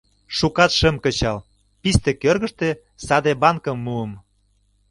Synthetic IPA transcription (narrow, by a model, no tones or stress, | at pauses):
ʃukɑt̪ʃə̆mkə̆t͡ɕɑl | pist̪ĕkørɣə̆ʃt̪e | sɑd̪ebɑnkəmːuəm